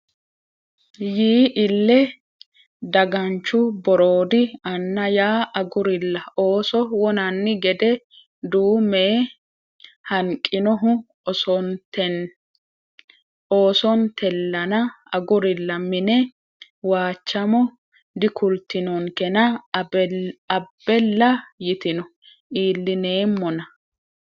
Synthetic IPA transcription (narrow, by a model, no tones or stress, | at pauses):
jiːʔɪlːɛ | d̪ɐɡɐnt͡ʃːʊbɔɾo̞ːd̪ɪɐnːɐjaːʔɐɡʊɾɪlːɐoːsɔwɔnɐnːɪɡɛd̪ɛ | d̪uːmeː | hɐŋkʼːɪnɔɦʊ | oːsɔnt̪ʰɛlːɐnɐ | ɐɡʊɾɪlːɐmɪnɛ | waːt͡ʃːɐmɔ | d̪ɪkʊlt̪ːɪnɔŋkɛnɐ | ɐbːɛlːɐjɪt̪ɪnɔ | ʔiːlːɪne̞ːmːɔnɐ